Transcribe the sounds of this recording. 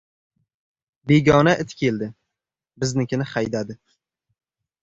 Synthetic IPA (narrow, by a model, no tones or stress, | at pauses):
beɡʲɒnaʔɪt̪kʲʰe̞ld̪ɪ | bɪznɪkʲʰɪnɪχajd̪ad̪ɪ